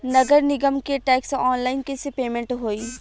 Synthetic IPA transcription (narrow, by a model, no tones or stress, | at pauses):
nɐɡəɾnɪɡəmkeʈɛːksɔːnlaːɪnkesepeːmẽɳʈɦoːiː